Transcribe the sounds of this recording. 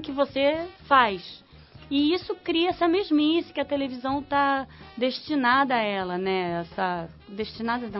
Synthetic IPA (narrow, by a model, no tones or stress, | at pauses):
kɪvosefajʃ | ɪisʊkɾiɐɛsɐmeʒmɐisɪ̥kɪɐt̪elevizɐ̃w̃t̪ad̪eʃt͡ʃinad̪ɐaɛlɐnɛɛsɐ | d̪eʃt͡ʃinad̪ɐnɐ̃